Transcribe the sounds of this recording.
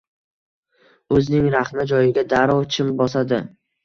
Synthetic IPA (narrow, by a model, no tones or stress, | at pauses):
ɵzɪnɪŋɾaχmad͡ʒɒjɪɡʲad̪aɾɒwt͡ʃʰɪmbɒsad̪ɪ